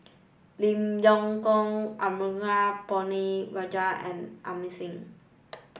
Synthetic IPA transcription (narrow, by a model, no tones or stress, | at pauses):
limjɔŋkɔŋʔamiŋapɔniɹad͡ʒaʔɛ̰̃nʔa̰misɪŋ